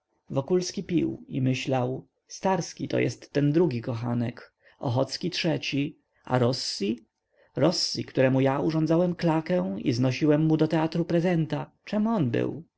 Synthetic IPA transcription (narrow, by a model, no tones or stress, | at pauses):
vɔkulskʲipʲḭwimɘɕlaw | st̪aɾskʲit̪ɔ̰jɛ̰st̪ːɛnd̪ɾuɡʲikɔxanɛk | ɔ̰xɔt̪skʲitʂɛt͡ɕi | a̰ɾɔsːi | ɾɔsːikt̪uɾɛmujauʐɔnd̪zawɛmklakɛw̃ḭznɔɕiwɛmːud̪ɔt̪ɛat̪ɾupɾɛzɛnt̪at͡ʂɛmɔnbɘ̰w